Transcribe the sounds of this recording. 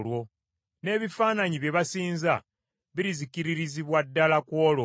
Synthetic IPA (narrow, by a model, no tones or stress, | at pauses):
lwo̞ | ne̞ːβifaːnaɲiβje̞βasiːnza | βiɾizikiɾiɾiziβwadːalakwo̞ːlo